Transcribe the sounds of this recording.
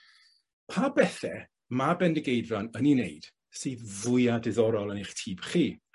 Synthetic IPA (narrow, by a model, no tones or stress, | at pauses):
pʰabɛθɛ̰ | mabɛndəɡejdranəninḛjd̥ | sɨːðvʊjadɪðɔɾɔlˠəniχtʰiːb̥χiː